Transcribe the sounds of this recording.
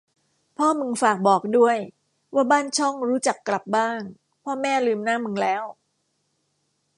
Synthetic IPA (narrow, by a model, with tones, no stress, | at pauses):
pʰɔː˥˩mɯ˧ŋfaː˨˩k̚bɔː˨˩k̚du˥˩əj | waː˥˩baː˥˩nt͡ɕʰɔ˥˩ŋɾuː˦˥t͡ɕa˨˩kːla˨˩p̚baː˥˩ŋ | pʰɔː˥˩mɛː˥˩lɯː˧mnaː˥˩mɯ˧ŋlɛː˦˥w